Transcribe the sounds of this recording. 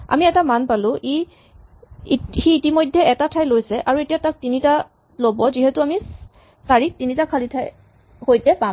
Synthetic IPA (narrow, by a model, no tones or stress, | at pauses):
a̰miɛtamanpalʊ̃ʔi | xiːtimojdʱːɛɛtatʰajlojsɛʔaɹuetijatak̚tinita | lobɔziɦɛtʊami | saɹik̚tinitakʰalitʰaj | hojtɛpa